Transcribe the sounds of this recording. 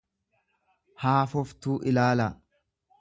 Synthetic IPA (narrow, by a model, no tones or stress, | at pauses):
haːfɔft̪uːʔɪlaːlɐ